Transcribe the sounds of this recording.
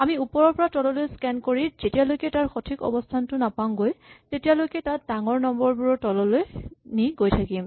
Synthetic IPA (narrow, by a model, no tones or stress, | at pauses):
amiupɔɹɔɹpɔɹatɔlɔlojskɛnkoɹiz̥etijalojkɛtaɹxɔtʰikɔ̰bɔstʰantʊnapamɡojtetijalojkɛtat̚daŋɔɹnɔmbɔɹbuɹɔtɔlɔlojniɡojtʰakim